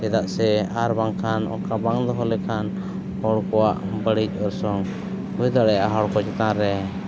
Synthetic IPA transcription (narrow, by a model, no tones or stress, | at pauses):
ɛd̪aʔsɛaɾbaŋkʰanɔ̰kabaŋd̪ɔɦɔlɛkʰan | hɔɽkɔwaʔbəɽic̚ˀɔɾsɔŋ | ujd̪aɽɛjaɦɔɽkɔt͡ʃɛt̪ãɾɛ